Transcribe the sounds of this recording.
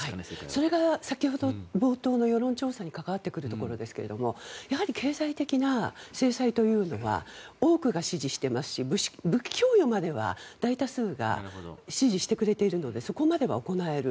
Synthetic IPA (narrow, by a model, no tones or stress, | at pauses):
haiso̞ɾe̞ɡasakʲiho̞d̪o̞bo̞ːt̪o̞ːno̞jo̞ɾõ̞ɲt͡ɕo̞ːsaɲ̟ikakaβ̞at̪ːe̞kɯ̟ɾɯ̟t̪o̞ko̞ɾo̞d̪e̞sɨ̥ke̞ɾe̞̰d̪o̞mo̞jaɦaɾʲikʰe̞ːzait̪e̞kʲinase̞ːsait̪o̞jɯ̟ːno̞βa̰o̞ːkɯ̟ɡaɕiʑiɕi̥t̪e̞masɨ̥ɕibɕbɯ̟kʲʰːo̞ːjomad̪e̞βa̰d̪̥ait̪asɨːɡa̰ɕiʑiɕi̥t̪e̞kɯ̟ɾe̞t̪e̞iɾɯ̟no̞d̪e̞so̞ko̞mad̪e̞βa̰o̞ko̞nae̞ɾɯ̟